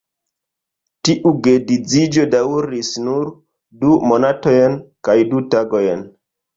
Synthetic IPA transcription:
tiʔuɡedid͡zid͡ʒo̞dawɾisnuɾ | dumo̞nato̞jnkajdutaɡo̞jn

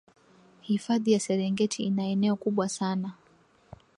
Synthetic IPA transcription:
hifaðijasɛɾɛŋɡɛtʰiinaɛnɛɔkuɓwasana

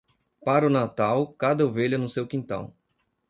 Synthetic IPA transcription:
paɾʊnat̪awkad̪ɐoveʎɐnʊsewkĩnt̪ɐ̰̃w̃

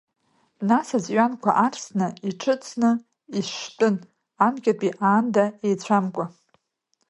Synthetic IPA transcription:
nasazɥankʷʰa̰ʔarsnɨiʈ͡ʂʰɨt͡sʰnɨ | istʼɨn | amkʲʼapʼiʔaːndaejt͡ɕʷʰamkʷʼa

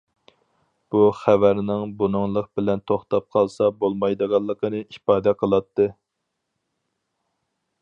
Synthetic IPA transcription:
b̥uχævæɾnɪŋbunʊŋlˠəq̚bɪlɛnt̪ʰoχt̪ɑp̚qʰɑlˠsɑbolˠmɑjd̪əʁɑlˠːəqʰənɨipɑːd̪ɛqʰəlˠɑt̪ːɨ

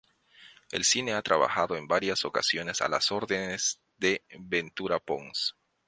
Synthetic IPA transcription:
e̞̰lsine̞at̪ɾaβa̰xaðoe̞mbaɾjaso̞kasjo̞ne̞sa̰la̰so̞ɾðenez̥ | ðe̞βent̪uɾapoŋs

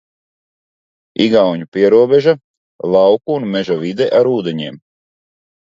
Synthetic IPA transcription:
iɡawɲupiɛɾuɔbeʒa | lˠɑwkuːnmɛʒavid̪ɛʔaɾuːd̪eɲiɛːm

